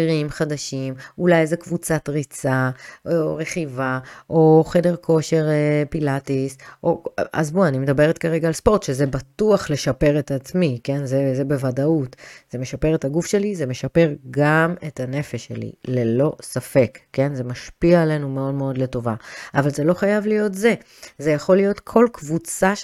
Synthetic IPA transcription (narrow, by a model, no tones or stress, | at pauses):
iʁimχadaʃimulajezekvut͡satʁit͡saoʁe̞χivaʔoχe̞de̞ʁkʰo̞ʃe̞ʁpilatisʔoa̰zbuanimed̪abe̞ʁetkaʁeɡaːlspo̞ʁt̪ʃezebatuaχle̞ʃape̞ʁetat͡smike̞nzezebe̞vadautz̥e̞meʃapeʁetaɡufʃe̞lizeme̞ʃape̞ʁɡame̞tane̞feʃːḛlḭle̞lo̞safe̞kːe̞nze̞maʃpiaːle̞nume̞o̞dmeodle̞to̞vaavalze̞lo̞χajavlijo̞tze̞ | ze̞jaχo̞lijo̞tkʰo̞lkvut͡sa